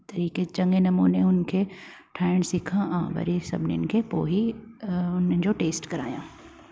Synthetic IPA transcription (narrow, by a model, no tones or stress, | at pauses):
t̪ɐɾiːket͡ɕɐ̃ŋɡenɐmuːneʊnkʰe | ʈʰaːɪɽ̃sɪkʰããʋɐ̰ɾesɐ̰bʱnijnɪkʰepo̰ːɦi | ʊnnɪd͡ʑoʈeːsʈkɐɾa̰ːjã̰ː